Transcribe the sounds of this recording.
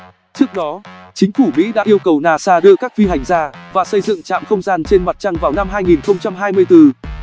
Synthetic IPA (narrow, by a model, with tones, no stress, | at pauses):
t͡ɕɨ˦˥ək̚ɗɔ˨˦t͡ɕï˨˦ŋ̟fu˧˩mḭ˧˥ɗa̰ː˧˥ʔi˧əwkə˨˩wnaː˨˩saː˧ɗɨ˧əkaː˦˥k̚vi˧ɦa˨˩jŋ̟zaː˧vaː˨˩sə˧jzɨ̰˧˨ŋt͡ɕa̰ː˧˨mxə˧wŋ͡mzaː˧nt͡ɕe˧nma˨˩t̚t͡ɕa˧ŋvaː˨˩wna˧mɦaː˧jŋi˨˩nxə˧wŋ͡mt͡ɕa˧mɦaː˧jmɨ˧əjt̪ɨ˧